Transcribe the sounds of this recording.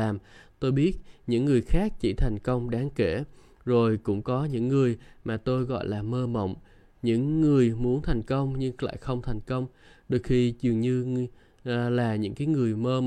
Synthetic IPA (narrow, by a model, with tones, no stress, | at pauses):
aː˨˩mt̪o˧jɓi˦˥ət̚ɲɨ̰˧˥ŋːɨ˨˩əjxaː˦˥k̚t͡ɕḭ˧˩t̪ʰɛ˨˩jŋ̟kə˧wŋ͡mɗaː˨˦ŋke˧˩ | zo˨˩jkʊ̰˧˥ŋ͡mkɔ˨˦ɲɨ̰˧˥ŋːɨ˨˩əjmaː˨˩t̪o˧jɣɔ̰˧˨jlaː˨˩məː˧mə̰˧˨wŋ͡m | ɲɨ̰˧˥ŋːɨ˨˩əjmu˨˦ənt̪ʰa˨˩jŋ̟kə˧wŋ͡mɲɨ˧ŋla̰ː˧˨jxə˧wŋ͡mt̪ʰɛ˨˩jŋ̟kə˧wŋ͡m | ɗɨ˨˩ək̚xi˧˩zɨ˨˩əŋɲɨ˧ | laː˨˩ɲɨ̰˧˥ŋkaː˨˦jŋɨ˨˩əjməː˧